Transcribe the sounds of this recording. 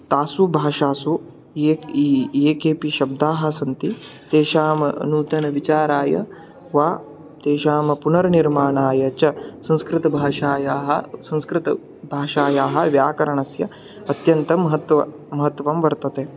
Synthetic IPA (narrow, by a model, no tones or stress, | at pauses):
t̪aːsubʱaːʃaːsu | eːijeːkeːpiʃɐb̚d̪aːɦɐ̆sɐnt̪it̪eːʃaːmɐ̰nuːt̪ɐnɐʋit͡ʃaːɾaːjɐ̰ | ʋaː | t̪eːʃaːmɐpunɐɾɐniɾmaːɳaːjɐt͡ʃɐsɐ̃nskɾɪt̪ɐbʱaːʃaːjaːɦɐsɐ̃nskɾɪt̪ɐ | bʱaːʃaːjaːɦɐ̆ʋjaːkɐɾɐɳɐsjɐ | ɐt̪jɐnt̪ɐmɐɦɐt̪ɐ | mɐɦɐt̪ːʋɐmʋɐɾt̪ɐt̪eː